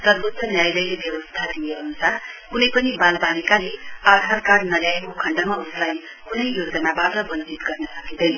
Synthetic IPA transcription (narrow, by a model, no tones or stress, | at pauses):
t̪ʌbosʌnjajlʌjlebjʌbʌst̪ʰad̪ieɦunut͡sʰakunʌjpʌnibalbanikalead̪ʱarkaɽnʌɾjajkokʰʌɳɖʌmauslaj | kunʌjjod͡zʌnabaʈʌbʌnd͡zit̪ɡʌrnʌsʌɡid̪ʌjnʌ